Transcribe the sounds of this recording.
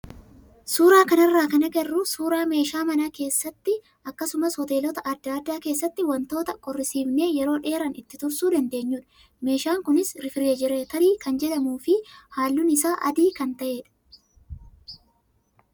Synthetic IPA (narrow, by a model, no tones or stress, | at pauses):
suːɾaːkɐnɐrːaːkɐnɐɡɐrːʊsuːɾaːme̞ːʃaːmɐnaːke̞ːsːɐt̪ːɪ | ʔɐkːɐsʊmɐshɔt̪e̞ːlɔt̪ɐʔɐd̪ːaɐd̪ːaːke̞ːsːɐt̪ːɪwɐnt̪o̞ːt̪ɐkʼɔrːɪsiːbne̞ːjɛɾo̞ːᶑe̞ːɾɐnɪt̪ːɪt̪ʊɾsuːd̪ɐnd̪eːɲːuːᶑɐ | me̞ːʃaːŋkʊnɪsɾɪfɪɾeːd͡ʒɪɾeːt̪ɐliːkɐnd͡ʒɛᶑɐmuːfɪhaːlːʊnɪsaːʔɐ̰d̪iːkɐnt̪ɐʔe̞ːᶑɐ̥